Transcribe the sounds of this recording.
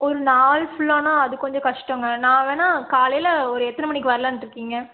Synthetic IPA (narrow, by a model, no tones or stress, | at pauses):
ɔɾɯnaːlfʊɭːaːnaːɐðɯkːɔɲd͡ʒɔ̃kɐʂʈɔ̃ŋɡɐnãːʋeːnaːkaːlɐjɪlɐɔɾɯɛt̪ːɐnɐmɐɳɪk̬ːɯʋɐɾɐlɐ̃nʈːɪɾɯkːiːŋɡɐ